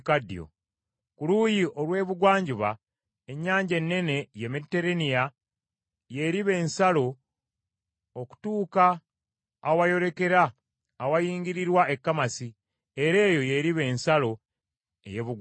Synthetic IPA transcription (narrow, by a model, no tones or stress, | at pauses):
kadːjo̰ | kulujiʔo̞lwe̞ːβuɡwaːɲɟuβa | eɲːaːɲɟe̞nːe̞ne̞jemetːe̞ɾenija | je̞ɾiβe̞ːnsalo̞ | oku̥tuːkaː | wajo̞ɾeke̞ɾaː | wajiːŋɡiɾiɾwaekːamasi | e̞ɾe̞ːjo̞je̞ɾiβe̞ːnsalo̞ | e̞̰jeβuɡ